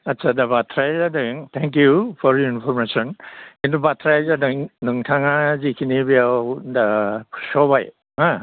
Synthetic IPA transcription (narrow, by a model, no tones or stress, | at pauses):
ɐtːsʰadɐbatʰɾajzadɯŋtʰɛŋk̬jupʰɔɾjuinpʰɔɾmesɔninubatʰɾajzadɯŋnɯŋtʰaŋazikʰinibijawdasɔbaj | ɦã